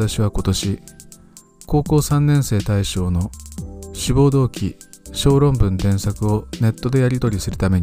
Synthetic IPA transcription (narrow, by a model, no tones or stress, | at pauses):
aɕiβ̞ako̞t̪o̞ɕi | ko̞ːko̞ːsãnːẽ̞ɰ̃se̞ːt̪aiɕo̞ːno̞ɕibo̞ːd̪o̞ːkʲiɕo̞ːɾõ̞mbɯ̟̃nt̪ẽ̞ɰ̃sakɯ̟o̞ne̞t̪ːo̞d̪e̞jaɾʲit̪o̞ɾʲisɨɾɯ̟t̪ame̞ɲ